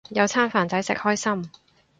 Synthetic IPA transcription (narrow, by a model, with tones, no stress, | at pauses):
jɐ˨˧wt͡sʰaː˥nfaː˨nt͡sɐ˨˥jsɪ̰˨k̚hɔː˥jsɐ˥m